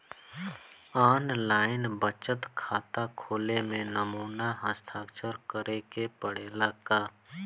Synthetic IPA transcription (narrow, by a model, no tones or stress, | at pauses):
aːnlaːɪnbət͡ʃət̪kʰaːt̪akʰoːlemẽnəmuːnaɦə̃st̪ʰaːkt͡ʃəɾkəɾekepəɽ̤eːlakaː